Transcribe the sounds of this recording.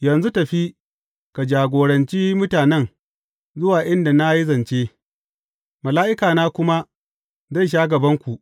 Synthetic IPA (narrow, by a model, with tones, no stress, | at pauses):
jɐ˨nzu˦tɐ˨ɸi˦ | ka˨d͡ʒaː˨ɡʷoː˨ɽɐ˨nt͡ʃiː˦mʊ˦taː˨nɛ˦ŋ | zʊ˦waː˨ʔɪ˦nda˨na˦ji˦zɐ˨nt͡ʃe˦ | mɐ˨laː˦ʔɪ˦kaː˨naː˦kʷʊ˦ma˦ | za˦˨jʃ̬aː˦ɡɐ˨bɐ˦ŋkʷu˨ʔ